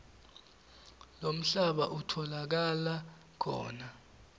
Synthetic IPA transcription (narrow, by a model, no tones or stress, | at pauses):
lom̩ɬaɓaʔutʰɔlak̬ala | kʰɔ̰ːna